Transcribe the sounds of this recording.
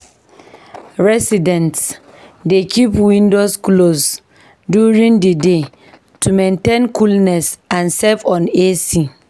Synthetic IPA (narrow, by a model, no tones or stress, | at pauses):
ɹɛsidɛ̃nt | dekʰipwĩndosklos | djuɹĩŋdəde | tʰumɛ̃ntẽnkʰulnɛsãnsɛfɔ̃nesi